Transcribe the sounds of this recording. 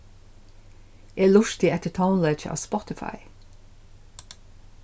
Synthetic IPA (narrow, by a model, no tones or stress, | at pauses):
ʔeːlʊʃt̪ɪɛt̪ət̪ʰaʊnleɪt͡ʃɑ̰ːspɔt̪ɪfɑ̰ɪ